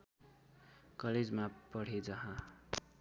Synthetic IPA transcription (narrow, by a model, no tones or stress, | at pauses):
kʌled͡zmapʌɽ̤ed͡zʌɦã